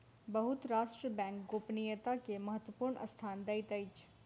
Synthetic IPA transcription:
bəɦʊt̪ɾaːʃʈɾəbɛ̃ːŋkɡoːpnijət̪akemɐɦət̪wəpuːɾɳɐ̰st̪ʰaːnd̪ɐɪt̪əɪt͡ʃʰ

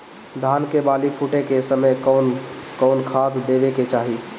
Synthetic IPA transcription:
d̪ʱankebalipʰuʈekesəməjnkɔʊnkʰad̪d̪ebeket͡ʃaɦi

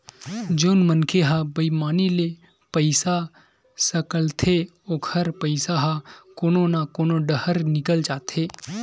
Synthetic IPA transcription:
d͡ʒoːnmənkʰeɦabəimaːnile | pəɪsa | səkəlt̪ʰe | oːkʰəɾpəɪsaɦakoːnõnakoːnoɖəhəɾnɪkəld͡ʒaːt̪ʰeː

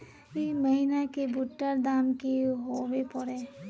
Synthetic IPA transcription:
iməɦinakebʊʈːəɾd̪aːmkiɦowepɔɾeː

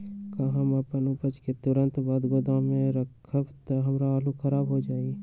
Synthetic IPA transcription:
kaɦəməpənʊpət͡ʃket̪ʊɾə̃nt̪baːd̪ɡod̪ãmẽɾəkʰəbt̪oɦɐmɾaaːlukʰəɾaːbɦod͡ʒaːi

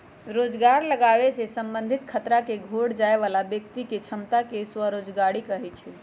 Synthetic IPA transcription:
ɾod͡ʒɡaɾləɡaʋesesəmbənd̪ʱit̪kʰət̪ɾakeɡʱoɽd͡ʒaeβalabjəkt̪iket͡ʃʰəmt̪akeswəɾod͡ʒɡaɽikəɦɛt͡ʃʰɛ

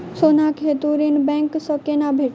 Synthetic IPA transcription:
soːnakʰet̪uɾinbɛ̃ŋksɔkenabʱeʈ

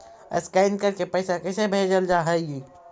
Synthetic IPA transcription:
ə̰skaɪnkəɾkepɛɪsakɛɪsebʱeːd͡ʒəld͡ʒaːɦɛeɡiː

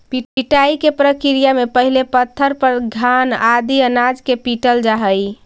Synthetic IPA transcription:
piiʈaikepɾəkiɾijamepəɦilepət̪ʰːəɾpəɾɡʱanad̪iənad͡ʒkepiʈəld͡ʒaɦəj

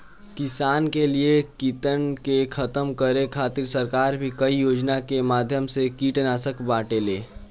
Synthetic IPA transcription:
kɪsaːnkeliekit̪ənkekʰət̪əmkəɾekʰaːt̪iɾsəɾkaːɾbʱikəijoːd͡ʒnakemaːd̪ʱjəmsekiːʈnaːsəkbaːʈeleː

